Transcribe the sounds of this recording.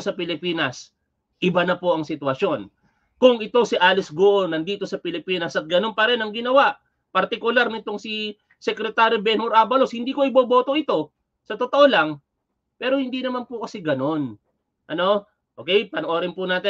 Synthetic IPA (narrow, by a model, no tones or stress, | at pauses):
sɐpɪlɪpiːnɐs | ʔɪbanɐpoʔɐŋsɪt̪wɐʃjo̞n | kʊŋʔɪt̪o̞sɪʔaːlɪsɡoʔonɐnd̪iːt̪o̞sɐpɪlɪpiːnɐsɐt̪̚ɡɐno̞npɐɾɛnɐŋɡɪnɐwaʔ | pɐɾt̪ɪkʊlaɾnɪt̪o̞ŋsi | sɛkɾɛt̪aːɾjobɛnoɾʔaːbɐloshɪnd̪iːko̞ɪboːbo̞ːt̪o̞ʔɪt̪o̞ | sɐt̪ot̪oʔo̞laŋ | pɛːɾo̞hɪnd̪inɐmanpʊkɐsɛɡɐno̞n | ʔɐno̞ | ʔoːkɛjpɐnʔo̞ːɾɪnpʊnaːt̪ɪ